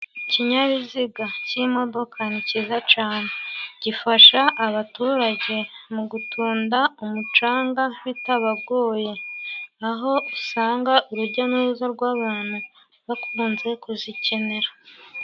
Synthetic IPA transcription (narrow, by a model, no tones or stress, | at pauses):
ciɲaβiziɡacimo̞do̞kʰanicizat͡ʃaːne̞ɟ̥ifaʃaʔːβatuːɾaɟe̞muɡutʰuːndaumut͡ʃaːŋɡawitaβabɡo̞ːje̞aɦo̞usaːŋɡaʔuɾuɾɟanizaɾɡwaːβaːn̥hu | βakuːnze̞kuzice̞ne̞ɾa